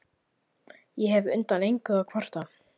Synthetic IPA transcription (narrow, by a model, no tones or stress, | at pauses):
jɛɦɛvʏ̰nt̪anejŋkaɣakʰvar̥t̪a